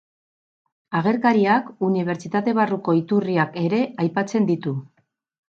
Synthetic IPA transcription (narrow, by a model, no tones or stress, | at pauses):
aɣ̞e̞ɾkaɾiakuniβ̞e̞ɾt͡ʃit̪at̪e̞βaruko̞it̪uriake̞ɾe̞ajpat͡se̞nd̪it̪u